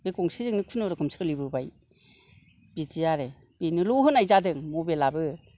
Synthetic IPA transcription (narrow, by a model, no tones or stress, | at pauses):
bekɔŋsizɯŋnikʰunɯɾɯkʰɯmsʰɯlibɯbaj | bid͡ʒijaɾe | b̥inɯlɔɦɯnajzadɯŋmubelabɯ